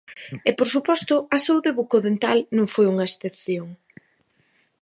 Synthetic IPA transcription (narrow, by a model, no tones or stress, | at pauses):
ɛpoɾsupɔst̪ʊɐsauðeβukoðent̪alnõŋfojuŋɐesθepθjoŋ